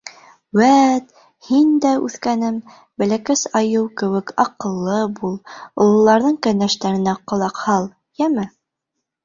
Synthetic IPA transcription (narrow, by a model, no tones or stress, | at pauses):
wæt̪ | hind̪æʉθkænɘm | bɘ̆lækæsɑjɤwkɘ̆wɘ̆kɑqɤ̆lˠːɤbulˠŏlˠŏlˠːɑɾðɤɴkænæʃt̪æɾɘ̆næqŏlˠɑqhɑlˠ | jæmɘ